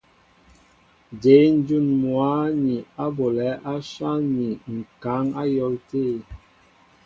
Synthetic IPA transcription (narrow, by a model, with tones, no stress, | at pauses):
de˨˦n̩˦d͡ʒu˦˨nmwa˨˦ni˨a˦bo˨lɛ˨˦ʔa˦sa˦ni˨ŋ̩˨ka˨˦ŋa˦jɔ˦lte˦˨